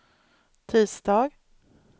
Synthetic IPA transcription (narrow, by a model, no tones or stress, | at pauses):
t̪ʰiːsd̪ɑːɡ